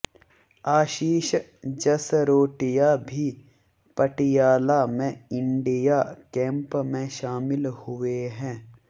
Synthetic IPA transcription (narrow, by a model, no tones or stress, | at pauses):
aːʃiːʃd͡ʒɐsɾoːʈɪjabʱi | pɐʈɪjaːlamẽɪ̃ɳɖɪjakɛ̃ːmpmẽʃaːmɪlhʊʋeɦɛ̃ː